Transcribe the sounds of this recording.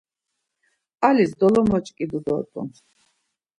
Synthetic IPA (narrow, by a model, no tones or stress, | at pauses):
alisd̪ɔlɔmɔt͡ʃʼkʼid̪ud̪ɔt̪ʼɔ̰ns